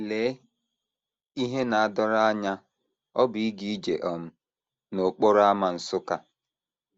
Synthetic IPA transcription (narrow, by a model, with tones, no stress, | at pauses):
le˨˦ | i˦ɦe˦na˨a˦dɔ˦ɾa˦a˦ɲa˦ | ɔ˦bi˨i˦ɡi˦i˦d͡ʒe˨ʔɔ˨m̩˦ | no˨k͡po˦ɾa˦ma˨n̩˨sʊ˦ka˨